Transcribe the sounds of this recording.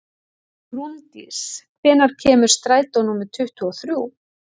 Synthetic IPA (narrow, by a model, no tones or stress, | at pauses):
ɾunt̪ḭskʰvɛːnaɾ̥cʰɛːmʏɾ̥st̪ɾaːjt̪awnumɪðt̪ʰʏht̪ʏɔθɾju